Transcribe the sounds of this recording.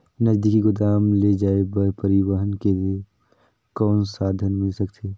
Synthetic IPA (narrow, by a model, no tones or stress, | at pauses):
nəzd̪ɪkiɡʊd̪aːmled͡ʒaːebəɾpəɾɪwəɦənkelie | kɔːnsaːd̪ʱənmɪlsəkt̪ʰeː